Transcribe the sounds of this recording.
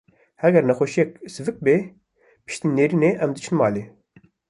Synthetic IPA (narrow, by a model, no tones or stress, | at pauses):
hɛɡɛɾnɛxʷoʃijɛksɨvɨk̚be | pɨ̥ʃt̪iːneːɾiːneʔɛmd̪ɨt͡ʃʰɨnmɑːle